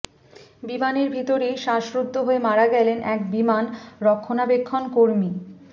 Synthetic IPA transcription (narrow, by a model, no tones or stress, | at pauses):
bimaneɾbʱit̪oɾejʃaʃɾud̪ʱːoɦoemaɾaɡɛlenʔɛkbimanɾɔkʰːonabekʰːonkoɾmi